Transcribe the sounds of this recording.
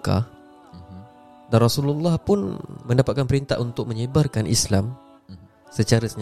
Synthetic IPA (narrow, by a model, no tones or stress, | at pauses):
ka̰ | danrɔsululːɑhpʊnmə̃ndapat̪̚kanpəɾint̪a̰ʔunt̪ʊk̚mə̃ɲəbarkanʔḭslam | sət͡ʃaɾasəɲ